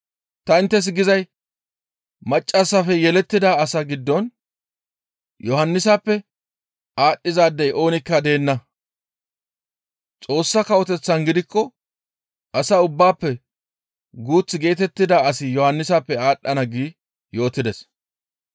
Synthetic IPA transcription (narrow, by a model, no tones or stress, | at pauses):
t̪ɐɪnt̪ːɛs̬ɡɪzɐj | mɐt͡ʃʼːasːɐfɛjɛlɛt̪ːɪd̪aːsɐɡɪd̪ːɔn | jʔɔhɐnːɪsapːɛ | aːɗːɪzaːd̪ːɐjʔo̞ːnɪkːɐd̪e̞ːnːɐ | t͡sʼo̞ːsːɐkɐwɔt̪ɛt͡sːɐnɡɪd̪ɪkːɔ | ʔɐsɐʊbːaːpːɛ | ɡuːt͡sːɪɡe̞ːt̪ɛt̪ːɪd̪aːɐsɪjɔhɐnːɪsapːɛaːɗːɐnɐɡiː | jo̞ːt̪ːɪd̪ɛs